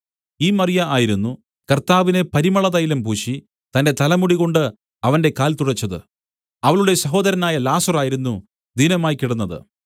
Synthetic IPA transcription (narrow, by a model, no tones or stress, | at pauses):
iːmɐrijɐʔaːjiɾunːu | kɐrt̪aːʋine̞pɐɾimɐɭɐðɐjilɐmpuːɕi | t̪ɐnde̞t̪ɐlɐmuɽiɣo̞ɳɖɨ | ɐʋɐnde̞kaːlt̪uɽɐt͡ɕːɐðɨ̰ | ɐʋɐɭuɽe̞sɐɦo̞ːd̪ɐɾɐnaːjɐlaːsɐraːjiɾunːu | d̪inɐmaːjkːiɽunːɐðɨ̰